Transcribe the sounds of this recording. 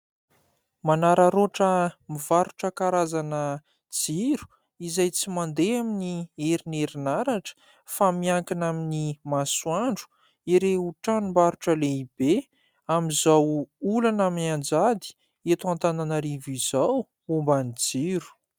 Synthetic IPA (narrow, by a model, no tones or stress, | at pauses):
manaɾaɾoʈ͡ʂəmivaɾuʈ͡ʂəkaɾazanə | d͡ziɾu̥ | izajt͡simand̪eaminieɾineɾinaɾaʈ͡ʂə̥ | famiaŋkinaminimaswaɳɖ͡ʐu̥ | iɾeuʈ͡ʂanumbaɾuʈ͡ʂəleib̥e | amizawulanamiand͡zad̪i̥ | et̪uant̪ananəɾivizaw | umbanid͡ziɾu̥